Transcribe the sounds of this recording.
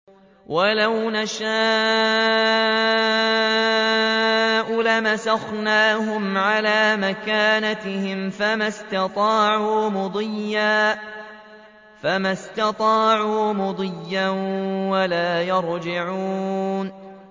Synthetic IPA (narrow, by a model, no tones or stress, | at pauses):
walawnaʃaː | ʔulamasaxnaːɦʊmʕalaːmakaːnat̪ɪhɪmfamast̪ɑt̪ˤɑːʕuːmʊd̪ˤɪjːaː | famast̪ɑt̪ˤɑːʕuːmʊd̪ˤɪjːawalaːjɑɾˤd͡ʒɪʕuːn